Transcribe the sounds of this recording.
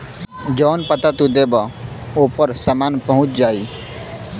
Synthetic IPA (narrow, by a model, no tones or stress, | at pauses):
d͡ʒɔːnpət̪at̪ud̪ebaoːpəɾsamaːnpəɦʊ̃t͡ʃd͡ʒaːiː